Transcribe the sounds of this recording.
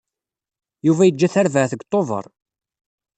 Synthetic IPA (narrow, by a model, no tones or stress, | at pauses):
juvæjəd͡ʒːæθaɾvəʕθəɡt̪ˤːovə̰ɾˤ